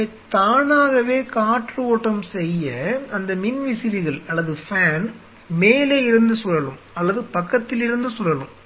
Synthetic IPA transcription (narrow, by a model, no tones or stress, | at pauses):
t̪aːnaːɣɐʋeːkaːʈrɯoːʈːɐmsɛjːɐɐnd̪ɐmɪnʋɪsɪɾɪɣɐɭɐlːɐðɯfaːn | meːleːɪɾɯnd̪ɯsʊɾɐɭɯm | ɐlːɐðɯpɐkːɐt̪ːɪlɪɾɯnd̪ɯsʊɾɐɭɯm